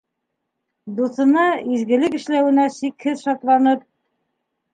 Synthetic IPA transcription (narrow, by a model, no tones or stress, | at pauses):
d̪uθɤ̆nɑizɡɘ̆lɘkɘ̆ʃlæwɘ̆næsikhɘðʃɑt̪lˠɑnɤp̚